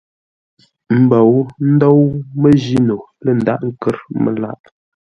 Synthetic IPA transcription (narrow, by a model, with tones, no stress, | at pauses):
m̩˨bə˨wn̩˦do˦wmə˦d͡ʒi˦no˨ | lə˦˨n̩˨da˦˨ʔŋ̩˦kə˦ɾmə̰˨la̰˦ʔ